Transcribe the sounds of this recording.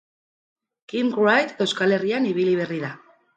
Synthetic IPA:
kimkuajt̪e̞wskale̞rianiβ̞iliβ̞e̞riða

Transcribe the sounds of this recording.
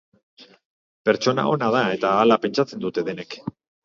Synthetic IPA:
pe̞ɾt͡ʃo̞na̰o̞nað̞ae̞t̪aːlape̞nt͡ʃat͡se̞nd̪ut̪e̞ðe̞ne̞k

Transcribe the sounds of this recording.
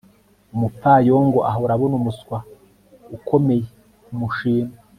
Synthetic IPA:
umup̪fajoŋɡoʔaɦauɾaβonumuskwa | ukʰome̞je | umuʃiːna

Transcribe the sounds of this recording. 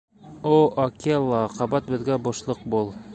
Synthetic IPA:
oʔɒkelˠːɑqɑbɑt̪̚bɘ̆ðɡæboʃlˠɤq̚bulˠ

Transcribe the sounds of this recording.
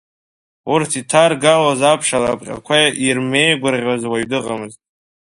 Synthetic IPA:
urtʰitʰarɡalazapʰʂala̰pʼqʲʼa̰kʷʰajaʔirme̞jɡʷʊrʁʲwazwaɥdɨqʼamɨztʼ

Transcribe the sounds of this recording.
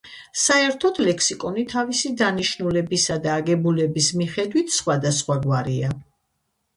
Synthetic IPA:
saɛɾt̪ʰɔd̪lɛksikʼɔnit̪ʰavisid̪aniʃnulɛbisad̪aːɡɛbulɛbismiχɛd̪wit̪ʰsχwad̪asχwaɡwaɾia

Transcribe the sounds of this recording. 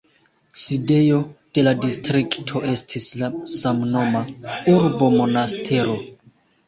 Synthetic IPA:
side̞jo̞d̥e̞ladistɾiktʰo̞ʔe̞stʰislasamno̞mauɾbo̞mo̞nastʰe̞ɾo̞

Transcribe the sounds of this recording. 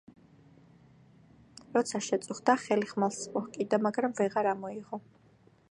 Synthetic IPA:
ɾɔt̪sʰaʃɛt̪sʼuχd̪aχɛliχmalˠsmʼɔhkʼid̪amaɡɾamvɛʁaɾamɔiʁɔ

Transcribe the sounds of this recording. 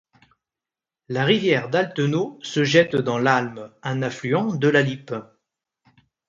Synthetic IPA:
laʁivjɛʁd̪alt̪ənosəʒɛt̪d̪ɑ̃lalmɛ̃naflyɑ̃d̪əlalip

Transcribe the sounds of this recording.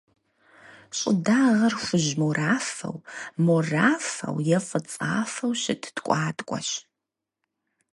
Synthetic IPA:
ɕʼɪ̰daːʁɐrxʷʊʑmoraːfɐ̰wmoraːfɐ̰wjɛfɐt͡sʼa̰ːfɐwɕɪtʰtkʷʼɑːtʼkʷʼɔ̰ɕ

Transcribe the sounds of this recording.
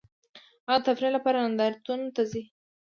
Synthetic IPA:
aɣt̪afɾilapɑɾanand̪ɑɾt̪unt̪azi

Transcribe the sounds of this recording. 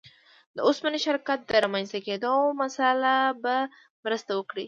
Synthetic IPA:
d̪əʊsmaniʃɪɾkat̪̚d̪əɾamanst̪aked̪omasalaba | mɾəst̪awəkɽi

